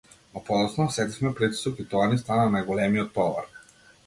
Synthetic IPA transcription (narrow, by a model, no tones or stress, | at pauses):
ɔpɔɔsnɔɔsɛt̪ifmɛpɾit̪i̥sɔkit̪ɔanist̪ananajɡɔlɛmiɔt̪̚pɔvɔ̰ɾ